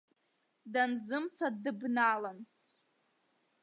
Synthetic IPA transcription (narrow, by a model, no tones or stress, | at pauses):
danzɨmt͡sʰadɨbnalan